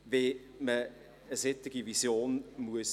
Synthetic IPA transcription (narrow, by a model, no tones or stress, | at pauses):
ve | mə | əsɪtɪɡ̥ivisjoːnmuəs